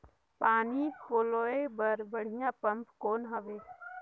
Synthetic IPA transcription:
paːnikʰoːloːebəɾbəɽ̤ijãːpəmpkoːnɦəʋeː

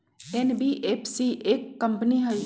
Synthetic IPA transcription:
enbiːʔepʰsiʔeːkːɐmpniɦɐi

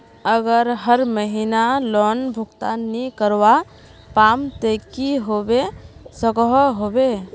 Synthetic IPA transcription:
əɡəɾɦəɾməɦinalɔnbʱukt̪anikəɾwa | pamt̪ekiɦobesəkɦɔɦobe

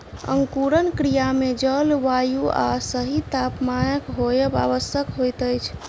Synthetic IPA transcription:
ə̰ŋkuɾənkɾijamed͡ʒəlʋajua̰səɦit̪apmajəkɦojəba̰ʋəsjəkɦojt̪əjt͡ʃʰ

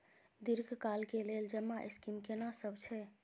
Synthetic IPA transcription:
d̪iɾɡʱkalkeleld͡ʒəmːaʔeskimkenasəbt͡ʃʰɛ

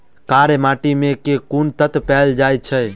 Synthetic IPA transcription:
kaɾemaʈimekekunt̪ət̪pɛld͡ʒajt͡ʃʰə

